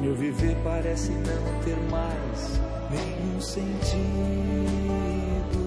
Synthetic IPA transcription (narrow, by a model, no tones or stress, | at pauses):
mewviveɾpaɾɛsɪnɐ̃w̃t̪eɾmajs | nẽjũsẽnt͡ʃi | d̪ʊ